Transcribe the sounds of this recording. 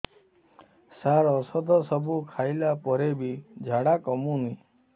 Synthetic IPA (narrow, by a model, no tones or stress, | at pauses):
saɾɔsɔd̪ʱɔsɔbʱukʰajlapɔɾebid͡ʒʱaɽakɔmũni